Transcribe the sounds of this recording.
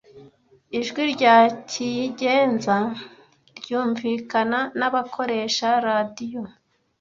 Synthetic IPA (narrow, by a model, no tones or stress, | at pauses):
iʒɡwiɾɟaːcʰijiɟe̞ːnza | ɾɟuːɱviːkananaβakʰo̞ɾe̞ʃaɾadijo